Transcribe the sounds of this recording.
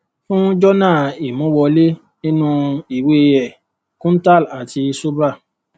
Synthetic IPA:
fũ˦d͡ʒɔ˦nãː˦˨i˨mũ˨˦wɔ˧le˦ | nĩ˦nũ˧i˦˨we˦˧jɛ˨ | kũ˦n̩˦ta˦˨la˨ti˧so˦ba˦˨

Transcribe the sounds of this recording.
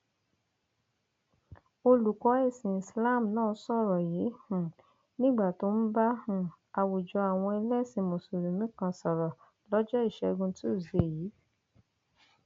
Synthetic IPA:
o˧lu˨kɔ˨˦e˦˨sĩ˨i˨sla˦˨m̩˨nãː˦˨˦sɔ˦˨ɾɔ˨je˨˦hũ˨ | nĩ˦ɡ͡ba˦˨to˨˦n̩˦ba˦hũ˦ | a˨wu˨d͡ʒɔ˧˦a˨w̃ɔ̃˧i˧lɛ˦˨sĩ˧˨mo˨so˨ɾu˨mĩ˨˦kã˧sɔ˨ɾɔ˨ | lɔ˦d͡ʒɔ˦i˦˨ʃɛ˧ɡũ˧ti˦o˦˨ze˨jiː˨˦

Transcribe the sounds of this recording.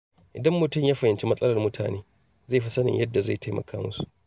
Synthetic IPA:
ʔɪ˨dɐ˦mːʊ˨tʊ˦˨mjaː˦ɸɐ˨hɪ˨nt͡ʃe˦mɐ˦sʼɐ˦lɐ˨rmʊ˦tʰa̰ː˨neː˦ | za˦˨ɸi˦sɐ˦nɪ̰˨ɲjɐ˦dːa˨za˦˨tʰa˦jmɐ̰˨kʰaː˦mʊ˦su̥˨ʔ

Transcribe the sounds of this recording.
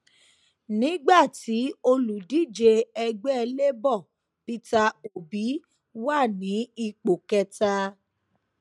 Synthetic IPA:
nĩ˨˦ɡ͡ba˦˨ti˨˦o˧lu˨di˦˨d͡ʒe˧ɛ˧ɡ͡bɛ˦˧le˦bɔ˦˨ | pi˧ta˧o˨bi˨˦ | wa˦˨nĩ˨˦i˧˨k͡po˨kɛ˧ta˧

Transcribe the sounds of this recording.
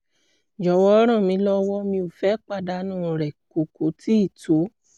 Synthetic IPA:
d͡ʒɔ˨wɔ˦ɾ̃ã˦˨mĩ˧lɔ˦wɔ˦mĩ˧u˨fɛ˨˦k͡pa˦˨da˨˦nũː˦˨ɾɛ˨ko˨ko˨˦ti˦i˦˨to˨˦

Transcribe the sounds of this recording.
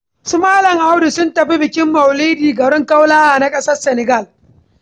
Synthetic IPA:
su˦maː˦lɐ˨ŋʔa˦wdu˨sʊ˦ntɐ˨ɸi˦bɪ˨kʲɪ˦mːɐ˨wliː˦diː˨ɡɐ˨ɽɪ˦ŋka˦wlaː˦ʔa˨na˦kʼɐ˦sɐ˦rsɛ˨nɛ˨ɡɐ˦˨l

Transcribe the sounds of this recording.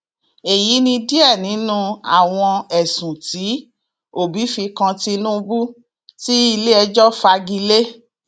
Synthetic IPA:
e˨ji˨˦nĩ˧di˦ɛ˦˨nĩ˨˦nũ˦a̰˦˨w̃ɔ̃˧ɛ˨sũ˨ti˨˦ | o˦˨bi˨˦fi˧kã˧ti˧nũ˦˧bu˦ | ti˦i˧le˦ɛ˧d͡ʒɔ˦fa˧ɡi˧le˦

